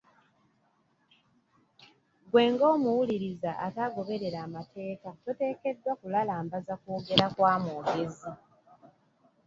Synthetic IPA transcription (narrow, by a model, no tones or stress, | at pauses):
ɡwe̞ːŋɡo̞ːmuwuliɾizaʔa̰taɡo̞βe̞ɾe̞ɾaːmatʰe̞ːkatote̞ːke̞dwakulalaːmbazakuːɡe̞ɾakwaːmoːɡe̞zi